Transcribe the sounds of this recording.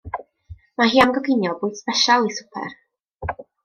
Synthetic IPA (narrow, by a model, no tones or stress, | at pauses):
maɦiːamɡɔɡɪnjɔlˠbʊɨdspɛʃalˠisʊ̥pʰɛ̰r